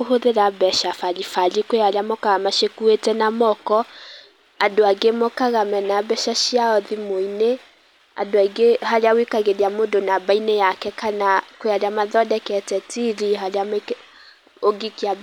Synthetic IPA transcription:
oɦoðeɾabɛʃafalifalikoalamɔkaɣamaʃekuetɛnamɔkɔ | adoaɡemɔkaɣamɛnabɛʃaʃiaɔðimoine | a̰doaɡeɦaɾjawikaɣeðiamodonabainejakɛkanakweaɾamaðɔdɛkɛtɛtiɾiɦaljam | oɡikia

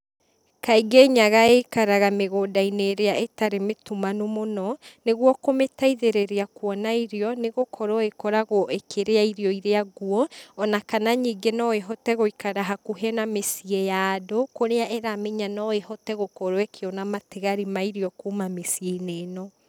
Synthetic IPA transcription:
kaiɡeɲaɣaekaɾaɣameɣoːdaineːɾeaʔetaɾemetumanomonɔneɣwɔkometaiðeɾeɾeakwɔnaiɾeɔneɣokʰɔɾɔekɔɾaɣoʔekʰeɾeaiɾiɔiɾeaɡwɔːnakanaɲiːɡenɔeɦɔtɛɣoikaɾaɦakuɦɛnamesiɛjaːdokoɾeaʔeɾameɲanɔehɔtɛɣokɔɾoɛkʰeɔnamateɣaɾimaiɾiɔkumamesieineːnɔ

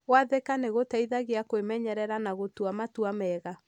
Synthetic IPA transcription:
ɣwaðekaneɣotaiðaɣeakwemɛɲɛɾɛɾanaɣotuamatuamɛɣa

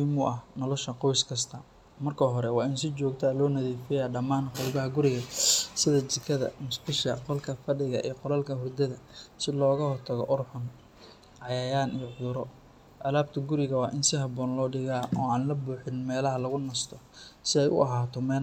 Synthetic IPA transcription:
mʊʔɐhnɔlɔʃɐqɔjskʰɐst̪ʰɐ | mɐrkʰɐɦɔɾɛwɑːɪns̬ɪt͡ʃɔːɡ̚t̪ʰalɔːnɐðiːfɪjaːɖɐmaːnħʊɾbɐɦɐɡʊɾɪɣɐsɪðɐt͡ʃɪkʰɐðɐ̰mʊsbɪʃkɐqɔlkʰɐfɐɖɪɣɐʔḭːqɔlɐlkʰɐɦʊrd̪ɐðɐsɪlɔːɣɐhɔrt̪ʰɐɣɔ̰ʔʊrħʊn | ʕɑjaːjaːnijɔʕʊðʊɾɔ | ʔɐlaːb̚t̪ʰɐɡʊɾɪɣɐwɑːʔɪnsɪhɑbɔːnlɔːɖɪɣaːɔːaːnlɐbuːħɪnmɛːlɐɦɐlɐɣʊnɐst̪ʰɔsɪɛjʔʊ̰ʔɐɦaːt̪ʰɔmɛː

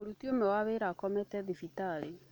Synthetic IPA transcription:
oɾutiomɛwaβeɾakɔmɛtɛðifitale

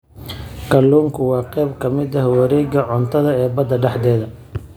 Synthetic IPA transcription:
kʰɐlːuːŋkʰʊwɑːqɛjbkʰɐmɪd̪ɐɦwɐɾɛːɡɐʕɔnt̪ʰɐðɐɛːbɐd̪ɐɖɛħd̪ɛːðɐ

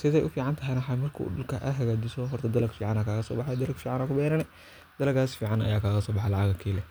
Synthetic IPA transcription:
sɪðɛjʔʊfiːʕɑnt̪ʰɐɦɛjnwħɑjmɐrkʰṵːɗʊlkʰɐʔɐɦɐɣaːd͡ʒɪsɔɦɔrt̪ʰɐd̪ɐlɐɡfiːʕɑnaːkʰaːɣɐsɔ̰ːbɑħɑjd̪ɐlɐɡfiːʕɑnaːkʰʊbɛːɾɐnɛ | d̪̥ɐlɐɡaːsfiːʕɑnɐ̰jaːkʰaːɣɐsɔːbɑħɑlɑʕɑɣɐkʰiːlɛ

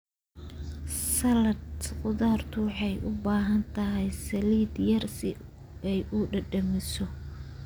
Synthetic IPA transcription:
sɐlɐd̪qʊðaːrt̪ʰʊwɑħɑjʔʊbaːɦɐnt̪ʰɐɦɛjsɐliːd̪jɐrsɪ | ɛjʔʊɖɐɖɐmɪsɔ

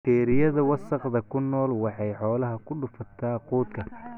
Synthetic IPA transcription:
t̪ʰɛːɾɪjɐðɐwɑsɐqd̪ɐkʰʊnːɔːlwɑħɑjħɔːlɐɦɐkʰʊɖʊfɐt̪ʰaːquːd̪kʰɐ

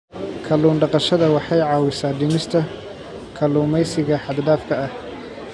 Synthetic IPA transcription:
kʰɐluːnɖɑqɑʃɐðɐwɑħɑjʕɑːwɪsaːɖɪnɪst̪ʰɐ | kʰɐluːmɛjsɪɣɐħɑd̪d̪aːfkʰɐɐh

